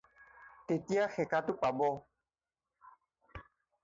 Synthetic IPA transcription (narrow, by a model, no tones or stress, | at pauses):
tetiaxɛkatuk͡pabɔ